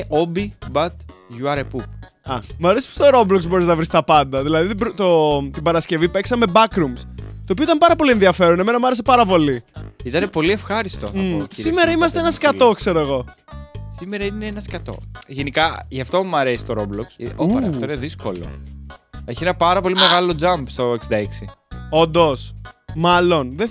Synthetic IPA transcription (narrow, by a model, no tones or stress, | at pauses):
ʔobibɐt̪ʝuɐɾepu | ɐmɐɾesi̥po̥st̪oɾo̞blokszbo̞ɾiznɐvɾist̪ɐpɐnd̪ɐðilɐðit̪bɾt̪ot̪ibɐɾɐsce̞vipeksɐme̞bɐkɾumst̪opioit̪ɐmpɐɾɐpo̞lie̞nðiɐfe̞ɾone̞me̞nɐmɐɾe̞se̞pɐɾɐpo̞liit̪ɐnepo̞liefxɐɾist̪oɐssime̞ɾɐimɐs̬t̪eenɐskɐt̪o̞kse̞ɾoe̞ɣo̞ | simeɾɐineenɐskɐt̪o̞̰ʝenikɐʝɐft̪o̞mɐɾesi̥t̪oɾobloksoɐft̪oineðiskolo̰ | e̞çienɐpɐɾɐpo̞lime̞ɣɐlo̞d͡zɐmbst̪o̞oksid̪ɐeksio̞nd̪o̞smɐlo̞nðe